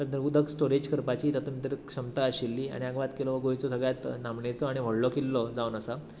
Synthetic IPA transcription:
t̪əɾt̪əɾud̪ʱəɡsʈoɾed͡ʑkʰəɾpat͡ɕiːt̪ət̪umit̪ɾəkʂəmt̪aːɕilːiːa̰ɽ̃iaɡʋat̪kelɔʋəɡojt͡sɔsəɡɭjat̪namɳet͡sɔaɽ̃iʋ̤əɽlɔkelːɔd͡zaunəsa

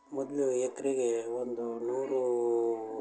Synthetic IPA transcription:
mɔd̪luekɐɾiɡewond̪unuːɾu

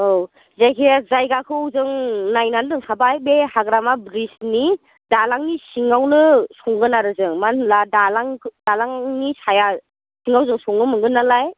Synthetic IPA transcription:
ow | zajkʰijazajɡakʰɯwzɯŋnajnandɯŋsʰabajbehaɡɾamabɾisni | dalaŋnisiŋawnɯsɔŋɡɯnaɾɯzɯŋmanladalaŋdalaŋnisaja | siŋawzɯŋsɔŋɡɯmɯŋɡɯnːalaj

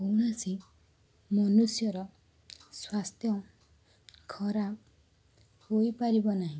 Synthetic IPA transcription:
ɦowɽ̃asĩ | mɔnusjɔɾɔ | swast̪ʰjɔ | kʰɔɾab̚ | ɦojpaɾibɔnaɦĩ

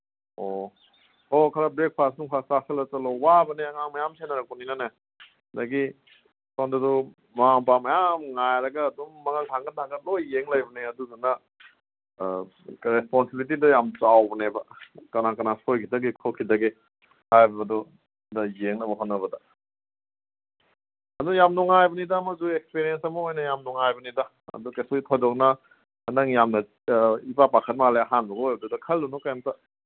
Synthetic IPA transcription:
o | okʰɐɾɐbɾek̚pʰasnuŋpʰastasʰelɐt͡ʃɐlowabɐneɐŋaŋmɐjamsenɐɾɐk̚pɔninɐne | daɡi | sondɐdɔ | maaŋmpamɐjamŋajɾɐɡɐːdumːɐŋɐltʰaŋɡɐnaɡɐlojːeŋlajbɐneɐduzunɐ | ɾesponsebilit̬idɐjamt͡ʃawbɐnebɐkɐnakɐnasojkʰidɐɡikʰokʰːidɐɡi | hajbbɐdɔ | dɐjeŋnɐbɐɦonːɐβɐdɐ | ɐdujamnuŋajbɐnidamɐzuekspeɾiensɐmɐojnɐjamnuŋajbɐnidɐ | ɐ̰dukesoitʰojdɔk̚nɐ | nɐŋjamnɐ | ipapakʰɐt̚maleɐɦanbɐɡɐojbɐdudɐkʰɐldunɔkajamta

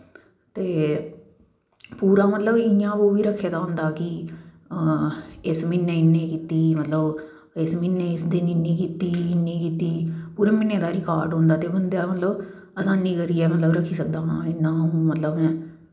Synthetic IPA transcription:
t̪eː | puːɾaːmət̪ləbɪjãːʋoːʋiːɾəkʰːeːd̪aːɦʊ̃nd̪aːkɪ | ɪsmɪnːẽːɪnːẽːkiːt̪iːmət̪ləb | ɪsmɪnːẽːɪsd̪ɪninĩːkiːt̪iːɪnːĩːkiːt̪iːpuːɾeːmɪnːẽːd̪aːɾɪkaːɾɖɦõːnd̪aːt̪eːbənd̪aːmət̪ləb | əsãːnːĩːkəɾiːɛːmət̪ləbɾəkʰːiːsək̚d̪aːɦãːɪnːãːõːmət̪ləbɛ̃ː

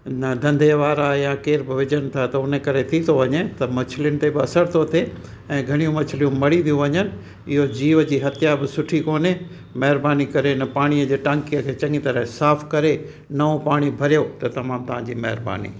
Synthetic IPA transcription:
nɐd̪ʱɐ̃nd̪ʱeʋaːɾajãkeːɾbɪʋɪd͡ʑənɪ̆t̪ʰat̪ɐʊnekɐɾet̪ʰit̪ʰoʋɐɲet̪ɐmɐt͡ɕʰɪlɪjʊnɪ̆t̪ebɪɐsəɾt̪ʰot̪ʰe | ɛ̃ːɡʱɐɽ̃ijũmɐt͡ɕʰɪlijũmɐɽiʋ̪ijũʋɐɲənɪ̆ | ɪɦod͡ʑiːʋəd͡ʑiːɦɐt̪ʰjabɪsʊʈʰikoːne | mɐɦɪɾbaːnikɐɾenɐpaːɽ̃iəd͡ʑeːʈɐ̃ŋkijəkʰeːt͡ɕɐ̃ŋɡit̪ɐɾəɦsaːfʰkɐɾe | nɐõpaːɽ̃ibʱɐɾijot̪ɐt̪ɐmaːmt̪ɐʋ̤ɦãd͡ʑiːmɐɦɪɾba̰ːnḭː

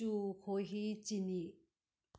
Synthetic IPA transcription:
ukʰoɦit͡ɕini

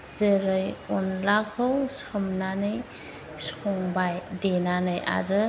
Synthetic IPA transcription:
z̥ɯɾɯjɔnlakʰowsɯmnanɯj | skʰɔŋbajdenanɯja̰ɾɯ

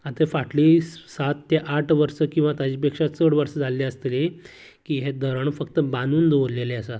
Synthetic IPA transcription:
at̪əfaʈliːsat̪ːjeʔaʈʰʋəɾsəkĩw̃ʋat̪ad͡ʑiːp̬ekʂat̪səɽʋəɾsəd͡zaleəst̪ele | kiːɦed̪ʱəɾəɳfəkt̪əbanuːnd̪oʋɾleleəsa

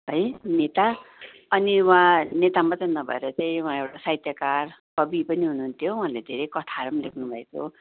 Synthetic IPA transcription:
ɦʌjnet̪a | ʌniwãnet̪amat͡sainʌbʱʌ̰ḛɾʌt͡saĩuãewʈasait̪jʌkarkʌbipʌniɦunuɦunt̪ʰjowɦãled̪ʱeɾʌjkʌt̪ʰaɾʌmlekʰnubʱʌekʰo̰

